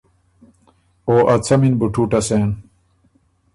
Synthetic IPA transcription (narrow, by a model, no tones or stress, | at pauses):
oːʔɐt͡sʰɐminbuʈʰuːʈɐseːn